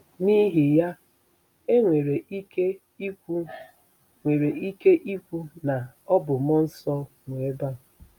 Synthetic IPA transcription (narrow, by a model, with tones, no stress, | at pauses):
ni˦ɦi˨ja˦ | e˦ŋʷe˨ɾe˨i˦ke˦ | i˦kʷu˦ | ŋʷe˨ɾe˨i˦ke˦ʔi˦kʷu˦na˨ɔ˦bʊ˨mɔ˦n̩˦sɔ˦ | ŋʷe˨˦ba˦˨